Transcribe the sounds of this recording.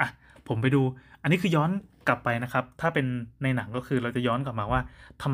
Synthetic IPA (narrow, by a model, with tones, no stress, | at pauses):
ʔa˨˩ | pʰo˩˦mpa˧jduː˧ʔa˧nːiː˦˥kʰɯː˧jɔː˦˥nka˨˩pːa˧jna˦˥kʰa˦˥p̚t̪ʰaː˥˩pe˧nːa˧jna˩˦ŋkɔː˥˩kʰɯː˧ɾa˧wt͡ɕa˨˩jɔː˦˥nka˨˩p̚maː˧waː˥˩t̪ʰa˧m